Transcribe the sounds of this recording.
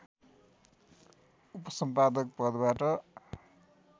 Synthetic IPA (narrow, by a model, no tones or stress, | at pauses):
upʌsʌmpad̪ʌk̚pʌd̪baʈʌ